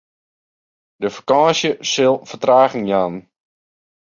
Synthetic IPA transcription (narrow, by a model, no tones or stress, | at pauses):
dəfakaːsjəsɪlˠfətraːɣəŋjaːn